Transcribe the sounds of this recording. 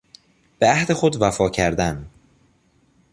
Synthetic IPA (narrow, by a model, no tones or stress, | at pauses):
b̥eæhd̪e̞xo̞d̪væfɒːcʰæɾd̪æn